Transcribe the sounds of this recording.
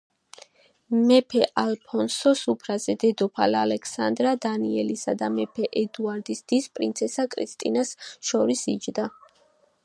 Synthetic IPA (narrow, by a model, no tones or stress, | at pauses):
mɛpʰɛʔalpʰɔnsɔsupʰɾazɛd̪ɛd̪ɔpʰalalɛkʰsand̪ɾad̪aniɛlisad̪amɛpʰɛʔɛd̪uaɾd̪isd̪̥ispʼɾḭnt̪sʰɛsakʼɾḭst̪ʼḭnasʃɔɾisid͡ʒd̪a